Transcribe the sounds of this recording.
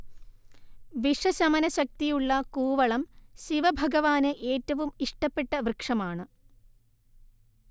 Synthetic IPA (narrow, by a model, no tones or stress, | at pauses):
ʋiʂɐɕɐmɐnɐɕɐk̚t̪ijuɭːɐkuːʋɐɭɐmɕiʋɐbʱɐɡɐʋaːnɨʔe̞ːtːɐʋumiʂʈɐpːeʈːɐʋrɨkʂɐmaːɳɨ